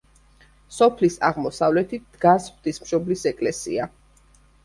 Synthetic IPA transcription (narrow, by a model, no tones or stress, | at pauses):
sɔpʰlisa̰ʁmɔsavlɛt̪ʰid̪̥ɡasχd̪ismʃɔblisɛkʼlɛsḭa